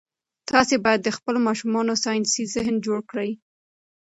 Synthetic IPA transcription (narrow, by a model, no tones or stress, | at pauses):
t̪ɑsebɑjad̪ːəxpəlomɑʃumɑnosɑjɪnsizɪɦnd͡ʒoɽkɽəj